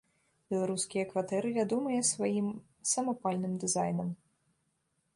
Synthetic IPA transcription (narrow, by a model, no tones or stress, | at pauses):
bʲɛlˠaɾuskʲijɐkvat̪ɛɾɨvʲad̪ɔmɐjɐsvajim | sɐmɐpalʲnɨmd̪ɨzajnɐm